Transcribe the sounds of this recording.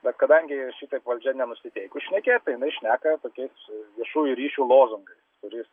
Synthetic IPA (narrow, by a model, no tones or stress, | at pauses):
bʲɛt̪kɐd̪ɐŋʲɡʲɪʃʲit̪ɐɪpʋɐlʲd͡ʒʲɛnʲɛnʊsʲɪt̪ʲɛɪkʊʃʲnʲɛkʲeːjt̪ɐɪjɪnɐɪʃʲnʲæːkɐt̪oːkʲɛɪsʋʲiɛʃuːjuɾʲiːʃʲuːlˠoːzʊŋɡɐɪst̪ʊɾʲɪs